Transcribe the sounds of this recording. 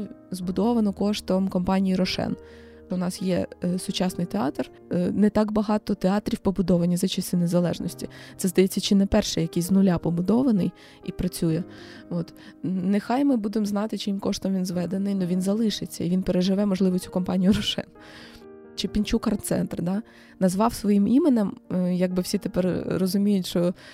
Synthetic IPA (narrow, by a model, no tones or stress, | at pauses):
zbʊd̪ɔʋɐnɔkɔʃt̪ɔmkɔmpɑnʲijiɾɔʃɛ̰n | ʊnɑsjɛsʊt͡ʃɑsnɪjt̪eɑ̰t̪r | net̪ɑɡbɐɦɑt̪ɔt̪eɑt̪ɾʲiwpɔbʊd̪ɔʋɐnʲizɐt͡ʃisʲt̪ʲɪnezɐlˠɛ̰ʒnɔsʲtʲit̪sɛzd̪ɐjɛt͡sʲːɐt͡ʃɪnɛpɛrʃɛjɐkʲisʲznʊlʲapɔbʊd̪ɔʋɐnɪj | ipɾɐt͡sʲujɛɔt̪nexɑjmɪbud̪emznɑt̪ɪt͡ʃɪimkɔʃt̪ɔmʋʲinzʋɛd̪enɪjnɔʋʲinzɐlˠɪʃɪt͡sʲːɐ̰iʋinpeɾeʒɪʋɛmɔʒlˠɪʋɔt͡sʲukɔmpɑnʲijʊɾʊʃɛ̰n | t͡ʃɪpʲinʲt͡ʃukɐrnt̪sɛ̰nt̪rd̪ɑ | nɐzʋɑwsʋɔjimimenɛmjɐɡ̚bɪwsʲit̪epɛrːɔzʊmʲijʊtʲʃt͡ʃɔ